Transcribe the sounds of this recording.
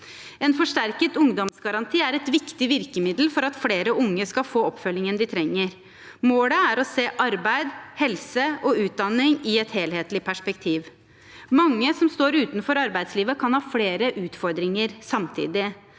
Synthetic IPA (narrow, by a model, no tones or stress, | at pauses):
ɛnfɔʂʈæɾkət̪ʊŋd̪ɔmsɡɑɾɑnt̪ʰiːæɾɛt̪ʋɪkt̪ɪʋɪɾkəmɪd̪l̩fɔɾɑt̪fleːɾəʔʊŋːəskɑfoːɔpːfœlːɪŋənd̪ɪt̪ʰɾɛŋːəɾ | moːləæɾɔseːʔɑɾbæɪd̪hɛlsəɔʉːt̪̚d̪ɑnːɪŋɪɛt̪heːlheːt̪lɪpʰæʂpɛkt̪ʰiːʋ | mɑŋːəsɔmst̪oːɾʉːt̪nfɔɾɑɾbæɪd̪sliːʋəkʰɑnhɑːfleːɾəʔʉːt̪fɔɾd̪ɾɪŋəɾsɑmt̪ʰḭːd̪ɪ